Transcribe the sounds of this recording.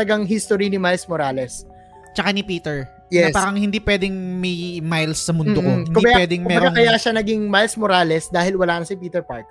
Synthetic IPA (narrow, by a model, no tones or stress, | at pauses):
ɐɡaŋɦist̪oɾinɪmajlsmoɾaːlɛs | t͡ʃɐkanɪpiːt̪ɛɹ | jɛspaːɾɐŋhɪnd̪ipwɛːd̪ɛŋmɐjmajlsːɐmʊnmd̪okoɪk̪kʊmibɐawɛd̪ɪŋmʊmɛbɐɾɡakɐjaʃanɐɡiŋmajlsmoɾaːlɛsd̪aːhɪlwɐlaːnɐsɪpiːt̪ɛɹpa̰ɹk̚